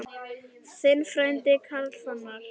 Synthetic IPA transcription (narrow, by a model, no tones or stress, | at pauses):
sɪlfɾɛnt̪ɪkʰalsana